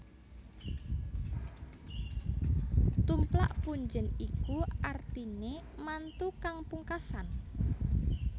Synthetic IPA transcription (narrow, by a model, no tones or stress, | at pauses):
t̪umpla̰ʔpuɲd͡ʒənikuart̪inemant̪ukaŋpuŋkasan